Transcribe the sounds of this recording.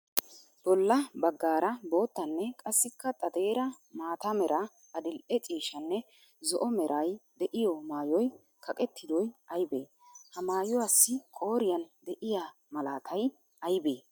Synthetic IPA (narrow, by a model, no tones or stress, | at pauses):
b̥ɔlːɐbɐɡːaːɾɐbo̞ːt̪ːɐnːɛkʼɐsːɪkːɐt̪ʼɐd̪e̞ːɾɐ | maːt̪ɐmɛɾʔɐ | ɐd̪ɪlʔɛt͡ʃʼiːʃɐnːɛ | zɔʔɔmɛɾʔɐjd̪ɛʔɪjɔmaːjɔj | kʰɐkʼɛt̪ːɪd̪ɔjɐjbḛː | hɐmaːjɔwasːɪkʼo̞ːɾɪjɐnd̪ɛʔɪja | mɐlaːt̪ʰɐj | ɐjbeː